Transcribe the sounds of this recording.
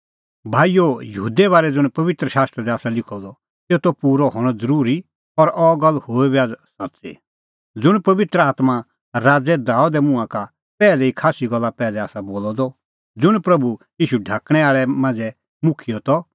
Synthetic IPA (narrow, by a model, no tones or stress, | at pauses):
bʱaːijojɐɦuːd̪ɛbaːɾɛd͡zʊ̃ɽ̃pɐʋɪt̪ɾəʃaːst̪ɾɛd̪ɛaːsalɪkʰɔd̪ɔ | t̪eːt̪opuːɾɔɦɔːɽ̃ɔd͡zɐɾuːɾi | ɔɾɔɡɐlːhoːibjaːd͡zsɐtːsḭ | d͡zʊɽ̃pɐʋɪt̪ɾəaːt̪ma | ɾaːd͡zɛd̪aːud̪ɛmʊ̃ãka | pɛːlɛikʰaːsiɡɐlːapɛːlɛaːsaboːlɔd̪ɔ | d͡zʊɽ̃pɾɐbujiːʃuɖʱaːkɽ̃ɛaːɭɛmãnd͡zɛ | mʊkʰijɔt̪ɔ